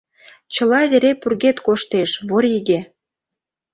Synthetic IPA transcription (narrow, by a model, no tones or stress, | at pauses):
t͡ɕə̆lɑβeɾepurɣet̪koʃt̪eʃβoɾʲiɣe